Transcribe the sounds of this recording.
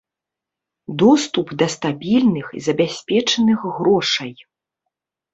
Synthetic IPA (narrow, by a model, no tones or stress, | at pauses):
d̪ɔst̪upd̪ɐst̪abʲilʲnɨxḭzɐbʲasʲpʲɛt͡ʂɐnɨxɣɾɔʂɐj